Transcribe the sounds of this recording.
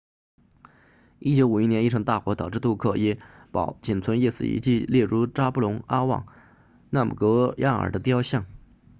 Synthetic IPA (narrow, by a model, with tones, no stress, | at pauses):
i˥t͡ɕjo˧˥ʊu˨˩i˥njɛ˧˥ni˥˩ʈ͡ʂʰɤ˧˥ŋt̪a˥˩kwɔ˧˥t̪ɑ˨˩ʊʈ͡ʂɻ̩˥˧t̪u˥˧kʰɤ˥˩jɛ˥˩pɑ̰˨˩ʊt͡ɕi˨˩nt͡sʰwə˧˥njɛ˥˧sɹ̩˥˩ḭ˧˥t͡ɕi˥˧ljɛ˥˩ɻu˧˥ʈ͡ʂa˥pu˥˩lʊ˧˥ŋa˥wɑ̰˥˩ŋ | na˥˩mṵ˨˩kɤ˧˥ja˥˩ə̰˞˨˩d̪ə˦t̪jʊɕjɑ˥˩ŋ